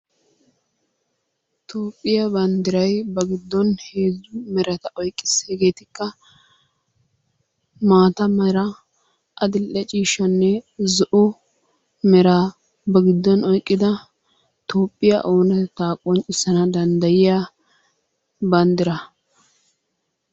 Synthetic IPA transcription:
t̪ʰoːpʼːɪjɐbɐnd̪ɪɾɐjbɐɡɪd̪ːɔnhe̞ːzːʊmɛɾɐt̪ɐʔɔjkʼːɪ̥sːeːɡe̞ːt̪ɪkːɐ | maːt̪ɐmɐɾɐ | ʔɐd̪ɪlːɛt͡ʃʼiːʃɐnːɛzɔʔʊ | mɛɾa | bɐɡɪd̪ːɔnɔjkʼːɪd̪ɐ | t̪ʰo̞ːpʼːɪja̰ʔoːnɐt̪aːkʼːɔnt͡ʃʼɪsɐnɐd̪ɐnd̪ɐjɪja | bɐnd̪ɪɾɐ

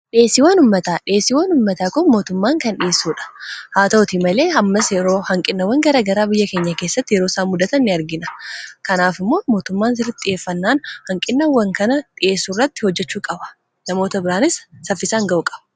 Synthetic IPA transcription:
ᶑe̞ːsːɪwaːnʊmːɐt̪aːᶑɪe̞ːsːɪwaːnʊmːɐt̪aːkʊmo̞ːt̪ʊmːaːŋkɐnᶑɪe̞ːsːuːᶑɐ̥haːt̪ot̪ɪmɐle̞ːɐmːɐsjɛɾo̞ːhɐŋkʼɪnːɐwːɐŋɡɐɾaːɡɐɾaːbɪjːɐke̞ːɲːɐke̞ːsːɐt̪ːɪjɛɾo̞ːsaːmːʊd̪ɐt̪ɐnːɪɐɾɡɪnɐ̥kɐnaːfɪmːo̞ːmo̞ːt̪ʊmːaːnsɪɾɪt̪ʼːɪe̞ːfːɐnːaːnhɐŋkʼɪnːɐwːɐŋkɐnɐᶑɪʔe̞ːsːurːɐt̪ːɪhɔd͡ʒːɛt͡ʃːuːkʼɐbɐ̥ | nɐmo̞ːt̪ɐbɪɾaːnɪsːɐfːɪsaːŋɡɐʔukʼɐb̥ɐ̥

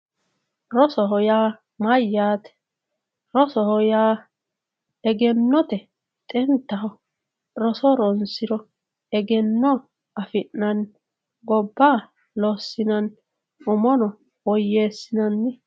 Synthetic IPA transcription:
ɾɔsɔɦɔjaː | mɐjːaːt̪ɛ̥ | ɾɔsɔhɔjaː | ɛɡɛnːɔt̪ɛ | t̪ʼɛnt̪ːɐhɔ | ɾɔsɔɾɔnsɪɾɔ | ɛɡɛnːɔ | ʔɐfɪnːɐn | ɡɔbːaː | lɔsːɪnɐn | ʊmɔnɔ | wɔjːeːsːɪnɐnːɪ

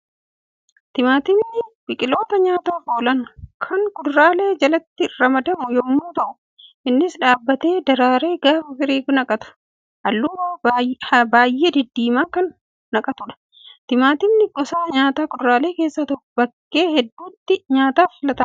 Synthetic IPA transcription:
t̪ɪmaːt̪ɪmnːɪb̥ɪkʼɪlo̞ːt̪ɐɲaːt̪aːfoːlɐnkʰɐŋkʼʊd̪ɾaːle̞ːd͡ʒɐlɐt̪ːɪɾɐmɐd̪ɐmʊjɔmːuːt̪ɐʔʊ | ʔɪnːɪsᶑaːbːɐt̪e̞ːd̪ɐɾaːɾe̞ːɡaːfɐfɪɾiːɡnɐkʼɐt̪ʊ̥ | ʔɐlːuː | baːjʔeːd̪ɪd̪ːiːmaːkɐnː | ɐkʼɐt̪ʊᶑɐ̥ | t̪ɪmaːt̪ɪmnɪɡɔsaːɲaːt̪aːkʊd̪ɾaːle̞ːke̞ːsːɐt̪ɔʊbɐkːe̞ːhɛd̪ːuːt̪ːɪɲaːt̪aːfɪlɐt̪ɐm

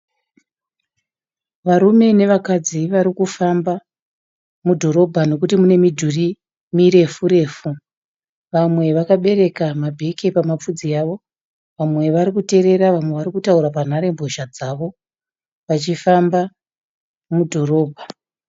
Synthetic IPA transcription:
ʋaɾume̞ne̞ʋakad͡ziʋaɾikufamba | mudʱo̞ɾo̞bʱano̞kutimune̞midʱuri | miɾe̞fuɾe̞ːfu | ʋamwe̞ʋakaɓe̞ɾe̞kamabʱe̞kepamap͡fud͡zijaːʋo̞ | ʋamwe̞ʋaɾikute̞ɾe̞ɾaʋamwe̞ʋaɾikutauɾapan̤aɾe̞mboʃad͡zaʋo̞ | ʋat͡ʃifamba | mudʱo̞ɾo̞ːbʱa

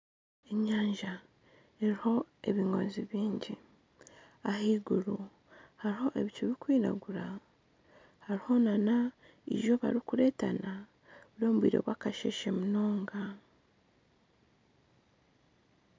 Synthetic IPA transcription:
e̞ɲaːɲʒa | eɾiho̞e̞βiŋɡo̞̰ːnziβiːɲɟi | ahiːɡuɾu | haɾiho̞ʔe̞βit͡ʃuβikwiːɾa̰ɡuɾa | haɾiho̞nana | ḭʒo̞βa̰ɾikuɾe̞ːtana | βuɾo̞ːmuβwḭːɾe̞̰βwaːkaʃe̞̰ʃe̞muno̞ːŋɡa

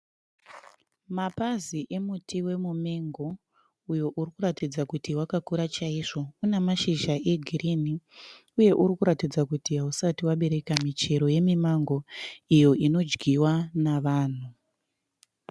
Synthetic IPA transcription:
mapaziʔe̞mutiwe̞mumeŋɡo̞ | ujo̞ʔurikuɾatid͡zakutiwakakuɾat͡ʃaiʐo̞unemaʃiʒae̞ɡʱirini | uje̞ʔuɾikuɾatid͡zakutiɦausatiwaɓe̞ɾe̞kamit͡ʃe̞ɾo̞je̞mimaŋɡo̞ijo̞ino̞d͡ʒɡiwanaʋaːn̤u

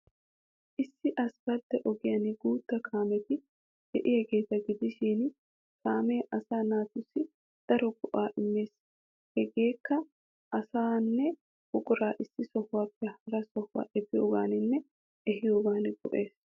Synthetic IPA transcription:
ʔɪsːɪʔɐsbɐd̪ːɛʔɔɡɪjɐnɪɡuːt̪ːɐkʰaːmɛt̪ɪ | hɛʔɪjɛɡe̞ːt̪ɐɡɪd̪ɪʃiːn | kaːmeːʔɐsaːnaːt̪ʊsːɪ | d̪̥ɐɾɔɡʊʔaːʔɪmːe̞ːs | hɛɡeːkːɐ | ʔɐsaːnːɛ | hʊkʼʊɾaːʔɪsːɪsɔhʊwaːpːɛhɐɾɐsɔhwa̰ːʔɛbɪjo̰ːɡaːnɪnːɛ | ʔɛɦɪjoːɡaːnɪbɔ̰ʔe̞ːs

